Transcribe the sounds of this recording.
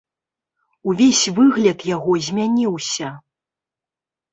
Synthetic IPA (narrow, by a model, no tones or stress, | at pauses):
uvʲesʲvɨɣlʲɐt̪jaɣɔzʲmʲanʲiwsʲɐ